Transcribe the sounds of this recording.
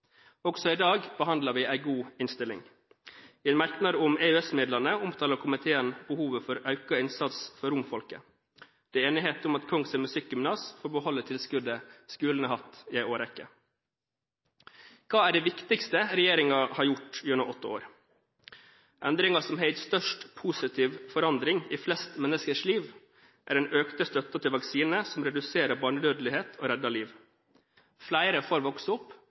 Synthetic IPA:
ɔɡsɔɪd̪ɑːɡb̥əhɑnd̪lɑɾʋɪæɪɡuːɪnst̪ɪlɪ̰ŋ | ɪɛːnmæɾknɑd̪ʊmeʉɛsmeːd̪lɑnəʊmt̪ʰɑːləɾkʰʊmɪt̪ʰeːənbəhuːʋəfɔɾœʉkɑɪnsɑt̪sfɔɾʊmfɔlkə̰ | d̪̥ɛeːnɪɦeːt̪ʊmɑt̪kʰɔŋsɛmʉsɪk̚ɡʏmnɑːsfɔɾbəhɔlːət̪ʰɪlskʉd̪əskʉːlənəhɑt̪ɪæɪoːɾɛkːə̰ | kʰɑːæɖɛɪʋɪkt̪ɪkst̪əɾɛjeːɾɪŋɑhɑɾjʊʈjɛnəʔɔt̪ːəo̰ːɾ | ʔɛnd̪ɾɪŋɑsɔmheɪt̪st̪œʂʈpʰuːsɪt̪ʰiːʋfɔɾɑnd̪ɾɪŋiːflɛst̪mɛnːəskəʂliːʋ | ʔæ̰ɾɛnøːkt̪əst̪œt̪ːət̪ʰɪlʋɑksiːnəsɔmɾɛd̪ʉseːɾəɾbɑːɳəd̪øːd̪lɪheːt̪ʰoːɾɛd̪ɑliːʋ | flæɪɾəfoːɾʋɔksəʊpː

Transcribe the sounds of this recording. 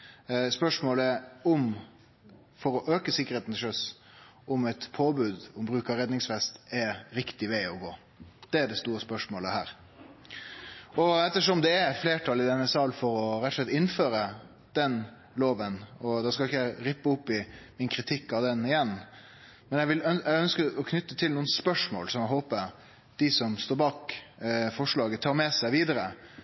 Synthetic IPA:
spœʂmoːləəʊm | fɔɾɔʔøːkəsɪkːəɾheːt̪n̩ɪʂœs | ɔmɛt̪pʰoːbʉːd̪ɔmbɾʉːkɑɾɛd̪nɪŋsfɛst̪ɛɾɪkt̪ɪʋeɪɔɡoː | d̪̥ɛæɖɛst̪uːɾəspœʂmoːləhæ̰ːɾ | ɔɛt̪ːəʂɔmd̪ɛːɾfleːʈʰɑlɪd̪ɛnːəsɑːlfɔɾɔɾɛt̪ːʂlɛt̪ːɪnføːɾə | d̪̥ɛn | loːʋənɔd̪ɑskɑlɪçːəjæɪɾɪpːəʊpːɪmɪnkʰɾɪt̪ʰɪkːɑd̪ɛnɪjɛnː | mɛnjæʋɪlœʔæœnskəɾɔkʰnʏt̪ːət̪ʰɪlnuːənspœʂmo̰ːlsɔmjæɦoːpə | d̪̥ɪsɔmst̪oːɾbɑːk | fɔʂɭɑːɡət̪ʰɑːɾmɛsæɪʋiːd̪əɾə

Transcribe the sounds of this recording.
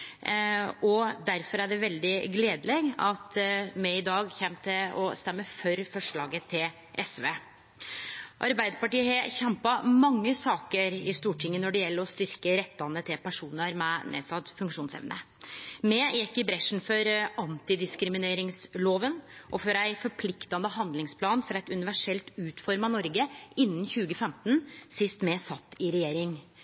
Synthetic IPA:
ɔd̪æɾfɔɾæɖɛʋɛld̪ɪɡleːd̪əlɛɡɑt̪mɛɪd̪ɑːɡçɛmt̪ʰɪlɔ̰st̪ɛmːəfœɾfɔʂɭɑːɡət̪ʰɪl | ʔɛsʋeː | ʔɑɾbæɪd̪əɾpɑʈiːəɦɛçɛmpɑmɑŋːəsɑːkəɾɪst̪uːʈʰɪŋːənɔɖɛjɛlːəɾɔst̪ʏɾkəɾɛt̪ːɑnət̪ʰɪlpʰæʂuːnəɾmɛnḛːsɑd̪fʉŋkʂuːnsɛ̰ʋnʔə̰ | mɛːjɛkːɪbɾɛʂn̩fɔɾʔɑnt̪ɪd̪ɪskɾɪmɪneːɾɪŋsloːʋənʔɔfɔɾæɪfɔɾpʰlɪkt̪ɑnəɦɑnd̪lɪŋspʰlɑːnfɔɾɛɪt̪ʉnɪʋæʂɛlt̪ʉːt̪fɔɾmɑnɔɾɡəɪnːnçʉːɡəfɛmt̪nsɪst̪mɛsɑt̪ːɪɾɛjeːɾɪŋ

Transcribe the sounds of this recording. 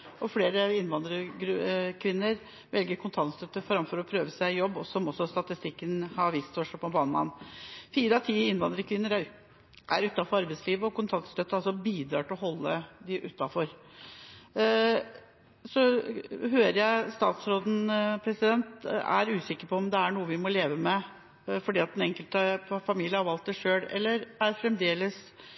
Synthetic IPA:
ɔfleːɾəɪnʋɑnd̪ɾəɡɾʉkʰʋɪnːəɾ | ʋɛlɡəɾkʰʊnt̪ʰɑnt̪st̪œt̪ːəfɾɑmfɔɾɔpʰɾøːʋəsæɪjɔbːɔsɔmɔsːɔst̪ɑt̪ɪst̪ɪkːənhɑɾʋiːst̪fɔʂɔpʰɔbɑːnmɑ̰nfiːɾəɑt̪ʰiːɪnʋɑnd̪ɾəkʰʋɪnːəɾæ | ʔæ̰ɾʉt̪ːɑfɔɾɑɾbɛɪsliːʋəɔkʰʊnt̪ʰɑnt̪st̪œt̪ːəɑlsɔbiːd̪ɾɑ̰ːʈʰɪlɔhɔlːəd̪ɪʔʉt̪ːɑfɔɾ | sɔɦøːɾəɾjæɪst̪ɑːt̪sɾoːd̪n̩pʰɾɛsɪd̪ɛnt̪æ̰ɾʉːsɪkːəɾpʰɔɔmd̪ɛæɳuːəʋɪmɔleːʋəmɛ | fɔɖiːɑt̪d̪ɛnɛŋkəlt̪əfɑmiːlɪəhɑɾʋɑlt̪̚d̪æʂøːlɛ̰lːəɾæɾfɾɛmd̪eːləs

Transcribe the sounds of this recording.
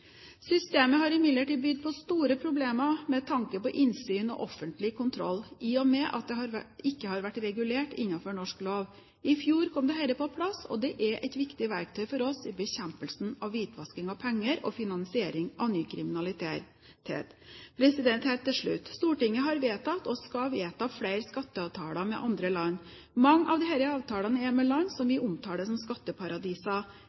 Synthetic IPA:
sʏst̪eːməɦɑɾɪmɪd̪ləʈiːd̪̚bʏd̪̚pʰɔst̪uːɾəpʰɾʊbleːməmɛt̪ʰɑŋkəpɔʔɪnsyːnɔ̰ʔɔfːənt̪lɪkʰʊnt̪ʰɾɔ̰lːɪɔmɛʔɑ̰t̪̚d̪ɛɦɑɾɪkːəhɑɾʋæʈːɾɛɡʉleːʈɪnːɑfɔɳɔʂkloːʋ | ɪfjuːɾkʰɔmd̪ɛɦɛləpʰɔpʰlɑsɔ̰d̪ɛʔæɾʔɛ̰ɪt̪ʋɪkt̪ɪʋæɾk̚t̪ʰœʏfɔɾɔsɪbəɕɛmpəlsnɑʋʋiːt̪ʰʋɑskɪŋɑʋpʰɛŋːəɾɔ̰fɪnɑnsɪeːɾɪŋʔɑʋnyːkʰɾɪmɪnɑlɪt̪e | ḛːt̪pʰɾɛsɪd̪ɛnt̪hɛːlt̪ʰːɪlʂɭʉ̰t̪ːst̪uːʈɪŋːəɦɑɾʋeːt̪ɑt̪ɔskɑʋeːt̪ʰɑflæɪɾskɑt̪ːəɑʋt̪ʰɑːlɑmɛ̰ʔɑnd̪ɾəlɑnː | mɑŋːʔɑ̰ʋd̪ɪhæɪɾəɑːʋt̪ʰɑːlɑnəɛmɛlɑnːsɔmʋɪʔʊmt̪ʰɑːɖ̪əsɔmskɑt̪ːəpʰɑɾɑd̪iːsɑ

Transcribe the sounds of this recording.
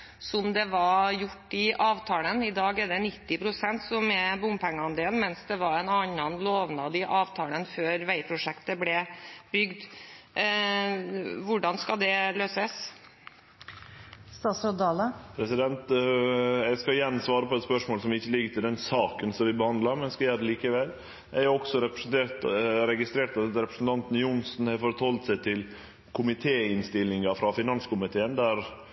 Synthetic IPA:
sɔmd̪ɛʋɑjʊʈːɪʔɑːʋt̪ʰɑːlənɪd̪ɑːɡɛd̪ɛnɪt̪ːɪpʰɾʊsɛnt̪sɔmɛbʊmpʰæŋːəɑnd̪eːlnmɛnsd̪ɛʋɑɾɛnɑnːənloːʋnɑd̪ɪʔɑːʋt̪ʰɑːlənføːɾʋæɪpʰɾʊʂɛkt̪əblɛb̥ʏɡd̪ | ʋʊɖɑnskɑd̪ɛløːsəs | st̪ɑːt̪sɑd̪ɑːləpʰɾɛsɪd̪ɛnt̪ | jæɡskɑɪjæɳsʋɑːɾəpɔɛt̪spœʂmoːlsɔmɪçːəlɪɡːət̪ɪld̪ɛnsɑːkənsɔmʋɪbəhɑnd̪lɑɾmɛnskɑjæːɾɛliːkəʋɛl | æɔksɔɾɛpɾəsnt̪ʰeːt̪ɾɛɡɪst̪ɾeːʈ̪ɑɾɛpɾəsnt̪ʰɑnt̪n̩jʊnsnhæfɔɾət̪hɔlt̪sɛɪt̪ʰɪl | kʰʊmɪt̪ʰeːɪnst̪ɪlːɪŋɑfɾɑfɪnɑnskʊmɪt̪ʰeːənd̪æɾ

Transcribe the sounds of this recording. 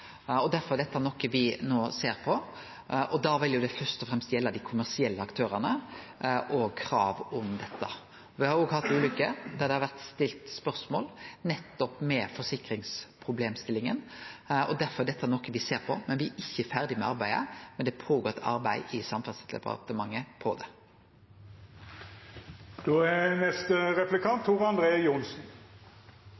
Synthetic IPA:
ɔd̪æɾfɔɾæɖ̪ɛt̪ːəæɾnɔkːəʋɪnoːseːɾpʰɔ | ʔɔd̪ɑʋɪljʊd̪ɛfœst̪ɔfɾɛmst̪jɛlːɑd̪ɪkʰʊmæʁsɪɛlːəɑkt̪ʰøːɾənə | ʔɔkʰɾɑːʋɔmd̪ɛt̪ːə | ʋɪhɑɾjoːɡhɑt̪ːʉːlʏkːəd̪æʁd̪ɛhɑɾʋæʁt̪st̪ɪlt̪spœɾsmoːlnɛt̪ːɔpmɛfɔɾsɪkɾɪŋspʰʁʊbleːmst̪ɪlːɪŋənɔd̪æɾfɔɾɖɛt̪ːəæʁnɔkːəʋɪseːʁpʰɔmɛnʋɪæʔɪçːəfæʁd̪ɪmɛɑʁbæɪə̰mɛnd̪ɛpʰoːɡoːt̪ɑ̰ɾbæɪɪsɑmfœd̪slɛ̰pɑ̰t̪əmɑŋːəpʰɔd̪ɛ | d̪̥oːɛnɛst̪əʁɛplɪkʰɑnt̪ʰːuʁɑnd̪ʁeːjʊnsn̩

